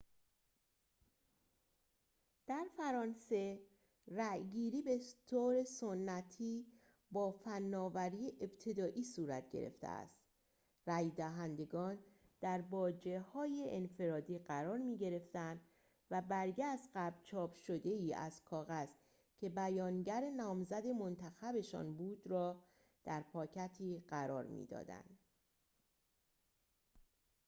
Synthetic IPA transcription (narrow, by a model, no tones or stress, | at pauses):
d̪̥æɾfæɾɒːnse̞ | ræjɡiːɾiːbe̞t̪ʰoɾe̞so̞nːæt̪ʰiː | bɒːfænːɒːvæɾiːeʔebt̪ʰe̞d̪ɒːʔiːsuːɾæ̰t̪ʰɟḛɾḛft̪ʰḛæ̰st̪ | ræjd̪æɦænd̪e̞ɡɒːn | d̪̥æɾbɒːd͡ʒe̞hɒːje̞ʔːnfe̞ɾɒːd̪iːɢæɾɒːɾmiːɟe̞ɾe̞ft̪ænd̪ | væbæɾɟæsd̪ɢæbt͡ʃʰɒːbʃo̞d̪e̞iːæ̰zkʰɒːɣæz̥ | cʲʰe̞bæjɒːnɟæɾe̞nɒːmzæd̪e̞mo̞nt̪ʰæxæbe̞ʃɒ̰ːnbuːd̪ɾɒː | d̪̥æɾpʰɒːcʰæt̪ʰiːɢæɾɒ̰ːɾmḭd̪ɒ̰ːd̪æ̰nd̪̥